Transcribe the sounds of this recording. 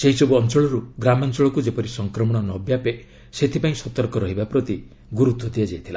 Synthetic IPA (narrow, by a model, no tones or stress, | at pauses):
seɦisɔbuɔnt͡ʃɔɭɔɾuɡɾamant͡ʃɔɭɔkud͡ʒepɔɾisɔŋkɾɔmɔɽ̃ɔnɔbjape | set̪ʰipaĩsɔt̪ɔɾkɔɾɔɦibapɾɔt̪i | ɡuɾud̪ʱːɔd̪iad͡ʒajt̪ʰila